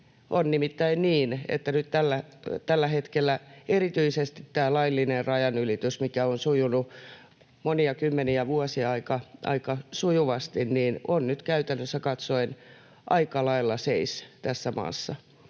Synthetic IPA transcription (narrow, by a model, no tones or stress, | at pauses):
ʔonnimit̪ːæinniːnḛt̪ːænyt̪t̪ælːæt̪ælːæhet̪kelːæerit̪yisest̪it̪t̪æːlɑilːinerrɑjɑnylit̪ysmikæonsujunu | moniɑkymːeniæʋuɔsiɑikɑʔɑ̰ikɑsujuʋɑst̪inniːnonnyt̪kæyt̪ænːøsːækɑt̪soin | ʔɑikɑlɑilːɑseist̪æsːæmɑ̰ːsːɑ